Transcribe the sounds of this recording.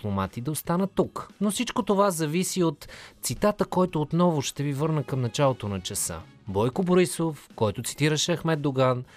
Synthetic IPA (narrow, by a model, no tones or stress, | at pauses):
lˠomat̪id̪ɐost̪anət̪ːuknofsit͡ʃkot̪ovazɐvisiot̪sit̪at̪əkɔjt̪oːt̪nɔvʊʃt̪ɛvivɤɾnəkɐmnɐt͡ʃalˠot̪onɐt͡ʃɛsə̰ | bɔjkoboɾisofkɔjt̪ot̪si̥t̪iɾəʃɛɐxmɛd̪̚d̪oɡan